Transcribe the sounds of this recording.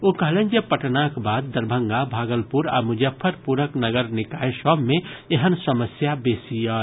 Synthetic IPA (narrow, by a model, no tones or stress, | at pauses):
okəɦlend͡ʒepəʈnakbad̪̚ːəɾbʱəŋɡabʱaɡəlpuɾa̰mud͡ʒəpʰːəɾpuɾəknəɡəɾnikajsəbʱmeeɦənsəməsjabesijə